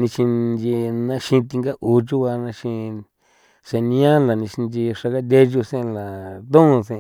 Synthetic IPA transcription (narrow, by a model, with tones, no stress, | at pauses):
nĩ˧ʃĩ˧nd͡ʒi˧nã˧ʃĩ˧t̪i˧ŋɡa˦ʔu˧t͡ʃu˦βa˧nã˧ʃĩ˧ | se˧nĩ˧˦ã˦la˨nĩ˧ʃi˧nd͡ʒi˧ʂa˧ka˦d̪̬ʲe˦ʒu˧sẽ˦˧la˨t̪õ˦ũ˧sẽ˧